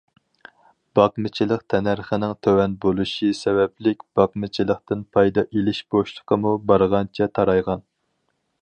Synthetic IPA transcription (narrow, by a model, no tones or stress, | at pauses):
b̥ɑqmɨt͡ʃʰilˠəqt̪ʰɛnæɾχənɪŋt̪ʰøwɛnbolˠuʃisɛvɛplɪkʲb̥ɑq̚mɨt͡ʃʰilˠəqt̪ɪnpʰɑjd̪ɑʔelɪʃb̥oʃlˠəqʰəmubɑɾʁɑnt͡ʃʰɛt̪ʰɑɾɑjʁɑn